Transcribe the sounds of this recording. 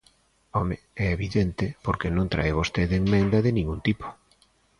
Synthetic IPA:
ɔme | ɛeβiðent̪ɪpoɾkenõnt̪ɾa̰eβ̞ost̪eðeŋmẽnd̪ɐðɪnĩŋɡunt̪ipo̥

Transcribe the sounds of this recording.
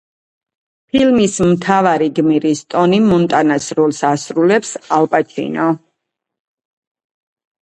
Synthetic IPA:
pʰilmismt̪ʰavaɾiɡmiɾist̪ʼɔnimɔnt̪ʼanasɾɔlˠsasɾulɛpsalpʼat͡ʃʰḭnɔ

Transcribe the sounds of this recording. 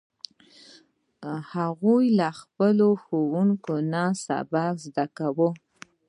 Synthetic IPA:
haɣujlaxpəloxowuŋkonasa̰bakzd̪akawə

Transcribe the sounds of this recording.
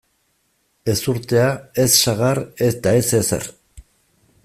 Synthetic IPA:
e̞suɾt̪e̞ae̞sːaɣaɾe̞st̪ae̞sesḛr

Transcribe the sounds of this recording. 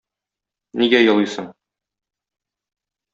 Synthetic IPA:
niɡæjɤ̆lˠisɤɴ

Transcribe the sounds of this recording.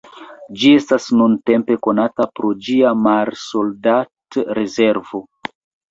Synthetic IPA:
d͡ʒie̞stasnunte̞mpe̞ko̞natapɾod͡ʒiamalso̞ldatɾe̞ze̞ɾvo̞

